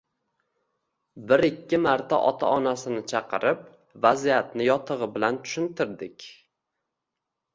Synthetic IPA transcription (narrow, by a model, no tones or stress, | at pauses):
bɪɾɪkʲʰːɪmaɾt̪ʰa̰ʔɒt̪ʰa̰ɒnasɪnɪt͡ʃʰɑqɨɾʔɪp̚ | vazijat̪̚nɪjɒt̪ʰɨʁɨbɪlant̪ʰʊ̥ʃɪnt̪ɪɾd̪ɪkʲ